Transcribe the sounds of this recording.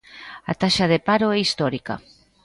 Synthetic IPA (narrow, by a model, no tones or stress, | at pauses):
a̰t̪aʃɐðepaɾoɛist̪ɔɾikɐ̰